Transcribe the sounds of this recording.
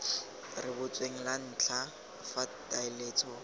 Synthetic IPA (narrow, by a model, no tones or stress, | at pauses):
rɪbʊt͡sʼweŋ̩lan̩ːt͡ɬʰa | fatʼaɪleːt͡sʼɔ